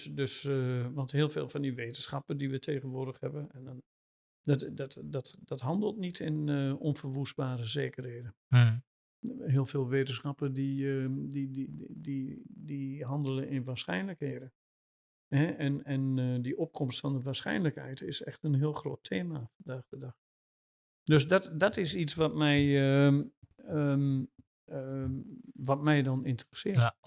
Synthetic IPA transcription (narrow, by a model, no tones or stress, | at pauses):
døsʋɑntheːəlˠfḛːlˠfɑndiʋeːtən̩sχɑpədiʋətʰeːɣənʋʊːrdəxhɛbəɛn | ddɔtdɔtdɔtɦɑndəlˠtnitʰɪnɔnfərʋusbaːɾəzeːkərheːdə | ɦeːəlˠfeːlˠʋeːtən̩sxɑpədidiididiɦɑndəlˠəʔɪnʋaːsxɛ̰jnləkheːdə | hɛɛnɛndiʔɔp̚kʰɔmstfɔndəʋaːsxɛ̰jnləkhɛ̰jtɪsɛ̰xtənɦiəlˠxroːtʰeːmafɔndaːɣdədɑx | døsdɔtdɔtɪsisʋɔtmɛjə | ə | ə | ʋɔtmɛjdɔnɪntərəsɪət